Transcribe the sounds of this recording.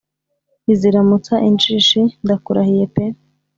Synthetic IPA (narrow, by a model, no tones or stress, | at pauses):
iziɾamut͡saʔint͡ʃiːʃindakuɾahijepe